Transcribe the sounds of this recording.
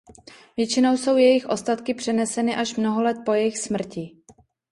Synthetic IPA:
vjɛt͡ʃɪno̞wso̞wjɛjɪxʔo̞st̪at̪kɪpr̝̥ɛnɛsɛnɪʔaʃmno̞ɦolɛt̪̚po̞jɛjɪxsmr̩cɪ

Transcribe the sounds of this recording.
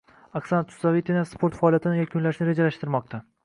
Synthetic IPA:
aksanat̪ʰʊ̥savet̪ʰenaspʰo̞ɾt̪faːlijat̪ʰɪnɪjakʰʊnlaʃnɪɾe̞d͡ʒalaʃt̪ɪɾmɒq̚t̪ʰa

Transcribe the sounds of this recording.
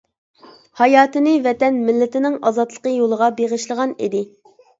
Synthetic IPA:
hɑjɑːt̪ɨnɨvɛt̪ɛnmɪlːɪt̪ɪnɪŋɑzɑt̪lˠə̥qəjolˠəʁɑbeʁəʃlˠəʁɑnḭd̪ɪ

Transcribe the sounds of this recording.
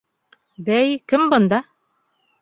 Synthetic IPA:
bæjkɘmbɤ̆nd̪ɑ

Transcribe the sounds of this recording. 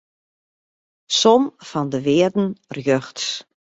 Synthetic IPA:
sɔmfɔndəʋɪədn̩rjøxts

